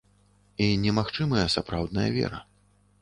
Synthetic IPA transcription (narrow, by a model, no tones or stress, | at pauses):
inʲɛmaxt͡ʂɨmɐjɐsapɾawd̪nɐjɐ̰vʲɛ̰ɾɐ̰